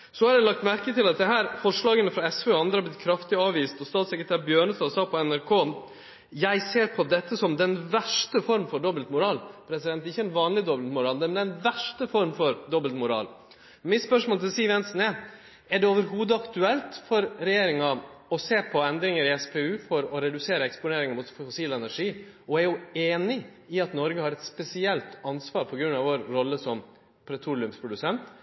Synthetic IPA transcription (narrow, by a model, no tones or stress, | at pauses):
sɔhɑɾjæɪlɑk̚t̪mæɾkət̪ʰɪlɑt̪̚d̪ɛɦæːɾfɔʂɭɑːɡənəfɾɑɛsføːɔɑnd̪ɾəhɑb̪ɪt̪̚kʰɾɑft̪ɪɑːʋʋiːst̪ɔst̪ɑːt̪sɛkɾət̪ʰæːɾbjøːɳəst̪ɑːsɑːpʰɔɛnæɾkʰoː | jæɪseːɾpʰɔd̪ɛt̪ːəsɔmd̪ɛnʋæʂʈəfɔɾmfɔɖɔbəlt̪mʊɾɑːlpʰɾɛsɪd̪ɛnt̪ɪçːəɛnʋɑːnlɪd̪ɔblt̪mʊɾɑːld̪əmɛnd̪ɛnʋæʂʈəfɔɾmfɔɾd̪ɔbəlt̪mʊɾɑ̰ːl | mɪspœʂmoːlt̪ʰɪlsiːʋɛnsnɛ | æɖɛoːʋəɾɦuːd̪əɑkt̪ʉɛlt̪fɔɾɾɛjeːɾɪŋɑɔseːpʰɔɛnd̪ɾɪŋəɾɪɛspʰɛːʉːfɔɾɔɾɛd̪ʉseːɾəɛkspʊneːɾɪŋɑmʊt̪fʊsiːlɛnæʂiː | ɔæɾjʊeːnɪ | ɪɑt̪nɔɾɡəhɑɾɛt̪spɛsɪɛlt̪ɑnsʋɑːɾpʰɔɡɾʉnːɑʋoːɾɾɔlːəsɔm | pʰɾɛt̪ʰuːlɪʉmspʰɾʊd̪ʉsɛnt̪